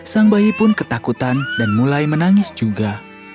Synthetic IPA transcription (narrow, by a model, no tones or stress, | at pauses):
saŋbaipʊnkət̪akut̪andanmulajmənaŋɪsd͡ʒuɡa